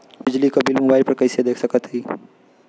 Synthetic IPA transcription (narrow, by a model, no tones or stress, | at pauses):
bɪd͡ʒlikabɪlmʊbaːɪɾpɐɾkɐised̪eːkʰsɐkət̪ɦiː